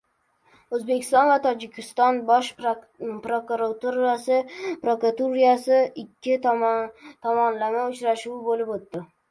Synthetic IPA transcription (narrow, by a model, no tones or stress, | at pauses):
ɵzbekʲʰɪ̥st̪ɒnvat̪ʰɒd͡ʒɪkʲʰɪst̪ɒnbɒʃ | pɾokuɾat̪uɾasɪpɾokɾat̪uɾijasɪɪkʲʰːɪ | t̪ʰɒmɒnlamaʊt͡ʃɾaʃuwbolɪpot̪ːɪ